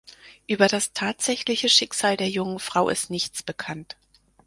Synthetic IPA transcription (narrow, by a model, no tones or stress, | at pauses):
ʔyːbɐdastʰaːtz̥ɛçlɪçəʃɪkz̥aːldeːɐjʊŋənfʁ̥aʊʔɪ̰stnɪçt͡sb̥əkʰant